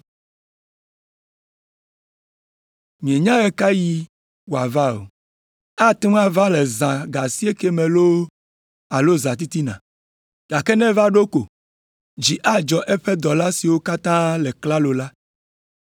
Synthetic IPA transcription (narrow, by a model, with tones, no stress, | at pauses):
mĩ˨e˨ɲã˦ɛ˦ka˦ji˦ | wo˨a˨va˦o̰˨ | a˦t̪e˦m˦a˦va˦lɛ˨zã˨ɡa˨si˦e˦ke˦mɛ̃˨lo˦ | a˨lo˦zã˨t̪i˦t̪i˦nã̰˨ | ɡ̥a˨kɛ˦nɛ̃˦va˦ɖo˦ko˨ | d͡ʒi˨ʔa˦d͡ʒɔ˨ʔɛ˦ɸɛ˦d̪ɔ˨la˦si˨wo˦ka˦t̪ã˦lɛ˨kla˦lo˨la˦